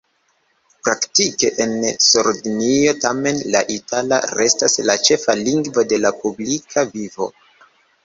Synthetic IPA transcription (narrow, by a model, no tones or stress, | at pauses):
pɾaktike̞ʔensuɾdnio̞tame̞nla̰ʔitʰala̰ɾe̞staslat͡ʃe̞faliŋɡvo̞de̞lapublikʰavivo̞̰